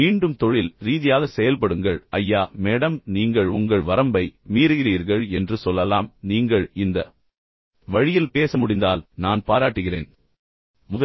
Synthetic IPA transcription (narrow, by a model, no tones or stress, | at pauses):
miːɳɖɯmt̪ɔɻɪlɾiːðɪjaːɣɐsɛjɐlpɐɽɯŋɡɐɭɐjːaːmeːɽɐmniːŋɡɐɭʊ̰ŋɡɐɭʋɐɾɐmbɐɪmiːɾɯɣɪriːɾɣɐɭɛndrɯsɔlːɐlaːmniːŋɡɐɭɪnd̪ɐ | ʋɐɻɪjɪlpeːsɐmʊɽɪnd̪aːlnaːnpaːɾaːʈːɯɣɪrḛːn | mʊðɐ